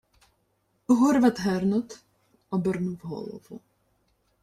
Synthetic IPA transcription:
ɣɔɾvat̪ɦɛɾnɔt̪ | ɔbɛɾnuvɦɔ̰lˠɔ̰vṵ

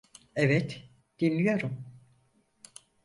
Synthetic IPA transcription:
ɛvɛt̪ | d̪̥inlːʲijo̞ɾum

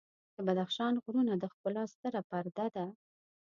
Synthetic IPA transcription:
d̪̥əbad̪axʃɑnɣɾunad̪əxpəlɑst̪əɾapaɾd̪ad̪a

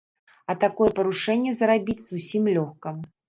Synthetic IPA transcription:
ɐt̪akɔjɛpɐɾuʂɛnʲːɛzɐɾabʲit͡sʲz̥usʲimlʲɔxkɐm

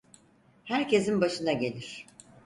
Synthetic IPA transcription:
hæɾce̞sinbaʃɯnaɟe̞lʲiɾ̥

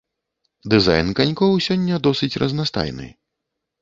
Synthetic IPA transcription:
d̪ɨza̰jnkanʲkɔwsʲɔnʲːɐd̪ɔsɨt͡sʲrɐznast̪a̰jnɨ̰

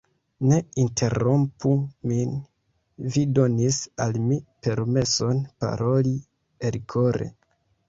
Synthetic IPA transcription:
ne̞intʰe̞ɾompumin | vido̞nisalmipe̞ɾme̞so̞npa̰ɾo̞li | elkʰo̞ɾḛ

